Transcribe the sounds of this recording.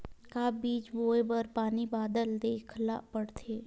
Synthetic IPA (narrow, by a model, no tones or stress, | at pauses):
kabiːt͡ʃboːebəɾpaːnibaːd̪əld̪eːkʰla̰pəɽt̪ʰeː